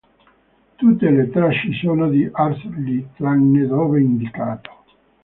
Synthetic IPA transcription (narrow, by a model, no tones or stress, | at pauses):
t̪ut̪ːelet̪ɾaʃːisoːnod̪iʔarslit̪ɾanːed̪oːveind̪ikaːt̪o̥